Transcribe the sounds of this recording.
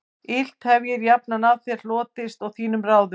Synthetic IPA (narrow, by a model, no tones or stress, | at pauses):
ɪl̥t̪hɛvjɪɾjapnanaðθɛɾ̥lɔːt̪ɪst̪ɔɣθiːnʏmraːwðʏ